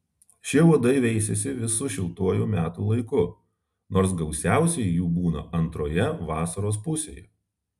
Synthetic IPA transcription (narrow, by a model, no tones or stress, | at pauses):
ʃʲɪʋud̪ɐɪʋʲɛɪsʲɛsʲɪʋʲɪsuʃʲɪlˠt̪uɔjuːmʲæːt̪uːlˠɐɪkʊ | noːɾsɡɐʊsʲæˑʊsʲɛɪjjuːbuːnɐ̰ɐnt̪ɾoːjɛʋɑːsɐɾoːs̬pʊsʲḛːjɛ